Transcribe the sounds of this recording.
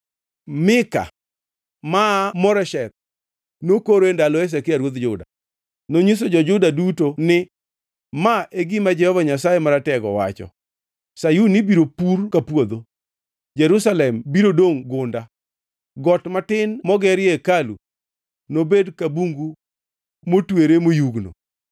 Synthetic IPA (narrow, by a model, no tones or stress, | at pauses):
mɪka̰ | mamɔɾɛʃɛt̪̚ | nokoɾoendalɔes̬ɛkɪaɾwot̪d͡ʒʊda̰ | noɲis̬od͡ʒɔd͡ʒʊdadutonɪ | maʔeɡimad͡ʒɛhɔvaɲasajemaɾatɛɡɔ̰wa̰t͡ʃɔ̰ | sajunɪbiɾopurkapwod̪o | d͡ʒɛɾusalɛmbiɾodoŋɡʊnda | ɡɔtmatɪnmɔɡɛɾɪekalṵ | nobedkabuŋɡu | motweɾemojuɡno̰